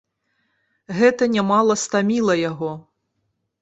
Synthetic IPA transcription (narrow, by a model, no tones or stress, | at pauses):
ɣɛt̪ɐnʲamɑlˠɐst̪amʲilˠɐjaɣɔ